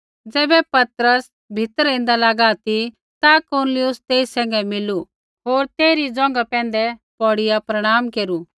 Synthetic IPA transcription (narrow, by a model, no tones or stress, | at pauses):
d͡zɛːbɛpɐt̪ɾəs | bʱɪt̪əɾɪ̃n̆d̪alaɡaːt̪i | t̪akonlɪjʊst̪eːisɛ̃ːŋ̆ɡɛmɪlu | ɦoːɾt̪eːɾid͡zɔ̃ːŋ̆ɡapɛ̃ːnd̪ɛpɔɽɪjapɾɐɽ̃aːmkeːɾu